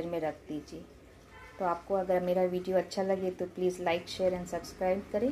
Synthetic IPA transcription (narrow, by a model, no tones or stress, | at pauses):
ɾmẽɾɐkʰd̪iːd͡ʒie | t̪oaːp̚koɐɡəɾmeːɾaʋiːɖijoɐtːʃʰalɐɡet̪opliːzlaːɪkʃeːəɾɛ̃ɳɖsɐbskɾaːɪb̚kɐɾẽː